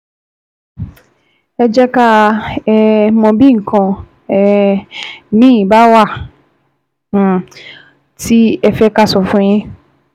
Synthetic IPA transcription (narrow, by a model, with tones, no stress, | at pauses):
ɛ˧d͡ʒɛ˦ka˦ɛ˧mɔ̃˧bi˦ŋ̩˨kã˧ | ɛ˧ | mĩ˦ĩ˨ba˦wa˦˨ | ti˦ɛ˧fɛ˦ka˦˨sɔ˨fũ˦j̃ĩ˧